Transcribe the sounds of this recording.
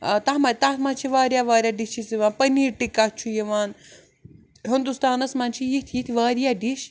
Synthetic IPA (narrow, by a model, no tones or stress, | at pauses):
t̪aɦmat̪at̪mant͡ʃʰiʋaːɾjaːʋaːɾʲjaːɖit͡ʃʰisiʋaːnpɐniːɾʈikat͡ʃʰujiʋaːn | ɦind̪ust̪aːnɐsmant͡ʃʰijit̪ʰjit̪ʰiʋaːɾjaɖiʃ